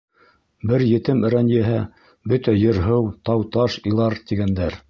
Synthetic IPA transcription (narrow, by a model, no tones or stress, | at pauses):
bɘɾjɘ̆t̪ɘmɘ̆ɾænjɘɦæ | bɵt̪æjɤ̆ɾɦɤwt̪ɑwt̪ɑʃĭlˠɑɾt̪iɡænd̪æɾ